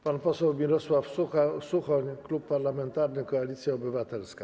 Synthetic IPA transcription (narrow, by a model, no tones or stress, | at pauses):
panpɔsɛwmʲiɾɔswafsuasuxɔɲklupːaɾlamɛnt̪aɾnɘkɔalʲit̪sʲjaɔbɘvat̪ɛlska